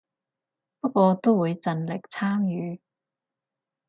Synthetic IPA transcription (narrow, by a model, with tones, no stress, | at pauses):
pɐ˥k̚wɔː˧t̪o˥wwuː˨˧jt͡sɐ˨˧nlɪ˨k̚t͡sʰaː˥ŋjyː˨˧